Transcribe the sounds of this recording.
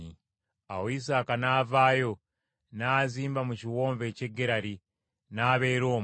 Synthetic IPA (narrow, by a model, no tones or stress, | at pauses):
i | awois̬aːkanaːvaːjo̞ | naːziːmbamuciwo̞ːɱve̞ːceɡeɾaɾi | naːβe̞ːɾo̞ːm